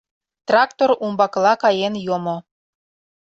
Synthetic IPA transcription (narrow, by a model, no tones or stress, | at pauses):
t̪rɑkt̪oɾumbɑklˠɑkɑjenjomo